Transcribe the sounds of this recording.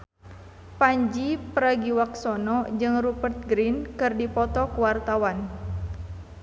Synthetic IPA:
paɲd͡ʒipəɾaɡiwaksɔnɔd͡ʒɨŋrupərt̪̚ɡɾinkɨrdipɔt̪ɔkuwart̪awan

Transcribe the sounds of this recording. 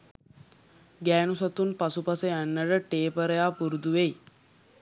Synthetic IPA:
ɡɛːnusat̪uːnpasupaseəɳːəɾəʈeːpəɾəjaːpuɾud̪uʋej

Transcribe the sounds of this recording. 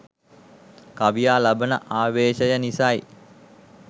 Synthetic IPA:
kaʋijaːlabənə̰ʔaːʋeːʃəjənisaj

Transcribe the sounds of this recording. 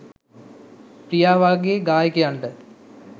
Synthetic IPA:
prijaːʋaːɡieɡaːjɐkːɐjaɳɖɨ

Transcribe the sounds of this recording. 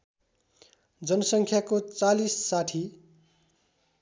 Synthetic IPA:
d͡zʌnʌsʌŋkʰjakot͡salisːaʈʰi

